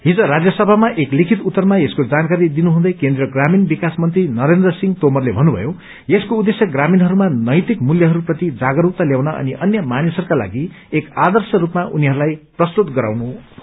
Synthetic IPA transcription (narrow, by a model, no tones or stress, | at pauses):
ɦid͡zʌɾad͡zjʌsʌbʱamaʔeklikʰit̪ut̪ːʌrmaeskod͡zankaɾid̪inuɦũd̪ʌjkend̪rʌɡraminbikasmʌnt̪rinʌɾend̪rʌsiŋt̪omʌrlebʱʌnːubʱʌ̰jo | eskoud̪esjʌɡraminɦʌɾumanʌjt̪ikmuljʌɦʌɾuprʌt̪id͡zaɡʌɾuk̚t̪aljawnaʔʌ̰niʔʌnjʌmanisʌɾukala̰ɡi | ekad̪ʌrsʌɾupmaʔuniɦʌɾulajprʌst̪ut̪ɡʌɾa̰wnu